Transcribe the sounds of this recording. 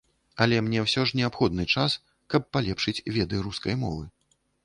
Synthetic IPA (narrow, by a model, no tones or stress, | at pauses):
ɐlʲɛmnʲɛwsʲɔʐnʲɛapxɔd̪̚nɨt͡ʂas | kɐpːalʲɛpʂɨt͡sʲvʲɛd̪ɨɾuskɐjmɔ̰vɨ̰